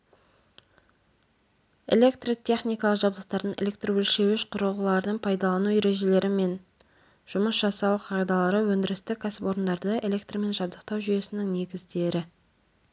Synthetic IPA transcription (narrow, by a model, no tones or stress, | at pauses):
e̞̰le̞kt̪rot̪ʲʰe̞χnijkɑlˠəqʒɑbd̪əq̚t̪ɑɾd̪əɴʔḛlʲe̞k̚t̪rowɵlʃe̞wɪʃqʰʊɾəlˠʁəlˠɑɾəd̪əɴpʰɑjd̪ɑlˠɑnujeɾe̞ʒe̞le̞ɾɪme̞n | ʒ̥ʊməsʒ̥ɑsɑwqʰɑʁijd̪ɑlˠɑɾəwɵnd̪ɪɾɪst̪ɪkʰasɪpo̞ɾənd̪ɑɾd̪əelʲe̞k̚t̪rome̞nʒɑb̚d̪əq̚t̪ɑwʒʏje̞sɪnɪŋne̞ɡʲɪzd̪e̞ɾɪ